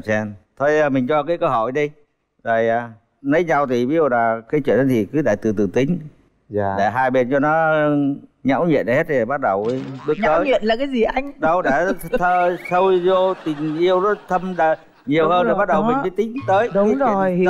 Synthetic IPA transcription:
sɛ˧nt̪ʰo˧jːmi˨˩ŋ̟t͡ɕɔ˧kaː˨˦jkəː˧wɦɔ˧˩˨jɗi˧ | zə˨˩jaː˨˩ | nə˨˦jɲa˧wt̪ʰi˨˩vi˨˦zu˨˩wlaː˨˩kaː˨˦t͡ɕwḭ˧˨ənɗɔ˨˦t̪ʰi˨˩kɨ˨˦ɗa̰ː˧˨˩t̪ɨ˨˩t̪ɨ˨˩t̪ï˨˦ŋ̟˧˩ | ɗe˧˩ɦaː˧jɓe˧nt͡ɕɔ˧nɔ˨˦˧ɲa̰˧˥wɲḭ˧˨ənɗa˨˩he˦˥i˨˩˨ɓa˦˥t̚ɗə˨˩wɓɨ˦˥ək̪̚ːəː˦˨˦jɲḭ˧˨ənlaː˨˩kaː˨˦jzi˨˩ʔa˧jŋ̟ɗə˨˧˩wɗe˧˩t̪ʰəː˧˩sə˧wi˧zo˧t̪ï˨˩ŋ̟ʔi˧əwnɔ˨˦t̪ʰə˧mɗa˧˩ | ɲi˨˩əwhəː˧ne˨˩ɓa˦˥t̚ɗə˨˩wï̟˨˩və˨˦t̪ï˨˦ŋt̪əː˨˦j

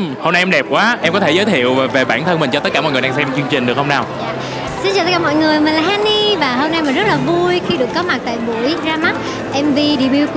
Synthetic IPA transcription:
ho˧mna˧jʔɛ˧mɗɛ˨˩p̚kwaː˨˦ʔɛ˧mkɔ˨˦t̪ʰe˧˩zəː˨˦jt̪ʰḭ˧˨əwvaː˨˩ve˨˩ɓaː˧˩nt̪ʰə˧nmï˨˩ŋ̟t͡ɕɔ˧t̪ə˦˥t̚kaː˧˩ɔ̰˧˨ŋ˨˩ɗaː˧sɛ˧m˧˩t͡ɕɨ˧əŋt͡ɕï˨˩ŋɗɨ˨˩ək̚hə˧ŋ͡mnaː˨˩wja̰ː˧˨ | si˧nt͡ɕaː˨˩t̪ə˦˥kaː˧˩mɔ̰˧˨jŋɨ˨˩əjmï˨˩nlaː˨˩haː˧ni˧vaː˨˩ɦo˧mna˧jmaː˨˩zə˦˥laː˨˩vu˧jxi˧ɗɨ˨˩əkːɔ˨˦ma˨˩t̪a̰ː˧˨jɓṵ˧˩jzaː˧ma˦˥t̚ | ʔɛ˧mvi˧ɗi˧˩ɓi˧w

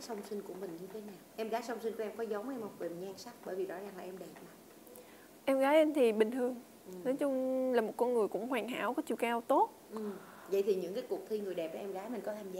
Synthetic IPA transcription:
sə˧wŋ͡msï˧ŋ̟ku˧˩əmï˨˩ŋ̟ɲɨ˧t̪ʰe˨˦naː˨˩wʔɛ˧mɣaː˨˦jsə˧wŋ͡msï˧nku˧˩ʔɛ˧mkɔ˨˦zə˨˦wŋ͡mʔɛ˧mha˨˩ve˨˩ɲaː˧ŋsa˦˥k̚ɓəː˧˩jvi˨˩zɔ˨˦zaː˨˩laː˨˩ʔɛ˧mɗe˨˩t̚na˨˦ | ʔɛ˧mɣaː˨˦jʔe˧mt̪ʰi˨˩ɓï˨˩ŋ̟t̪ʰɨ˨˩əŋ˨˩ | nɔ˨˦jt͡ɕʊ˧ŋ͡mlaː˨˩mo˨˩t̚kɔ˧nŋɨ˨˩əjkʊ̰˧˥ŋ͡mhwaː˨˩ŋɦa̰ː˧˩wkɔ˨˦t͡ɕḭ˧˨wkaː˧wt̪o˦˥t̚ʔɨ˨˩m | və̰˧˨jt̪ʰi˨˩ɲɨ̰˧˥ŋkaː˨˦jku˨˩ək̚t̪ʰi˧ŋɨ˨˩əjɗɛ˨˩p̚ʔaː˨˦ʔɛ˧mɣaː˨˦jmï˨˩ŋkɔ˨˦t̪ʰaː˧˩mzaː˨˦

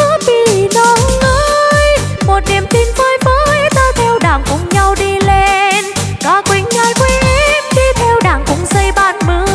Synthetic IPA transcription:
və˨˦vi˧˩nɔ˧nːəː˧˦j | mo˨˩t̚ɗi˨˩əmt̪i˧nvəː˧jvəː˨˦jt̪aː˧wt̪ʰɛ˧wɗaː˨˩ŋkʊ̰˨˧˦ŋ͡mɲa˧wɗi˧le˧nkɔ˨˦kwi˨˦ŋɲɔ˧˦jkwɛ˧ʔmɗi˧t̪ʰɛ˧wɗaː˨˩ŋkʊ˨˧˥ŋ͡mzə˧jɓaː˨˧˦nmɨ˨˧˦ə

